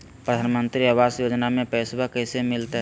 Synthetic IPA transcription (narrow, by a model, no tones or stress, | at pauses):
pɾəd̪ʱaːnmə̃nt̪ɾiaʋaːsjoːd͡ʒnamẽpɛɪsbakəɦɪsemɪlt̪ɦ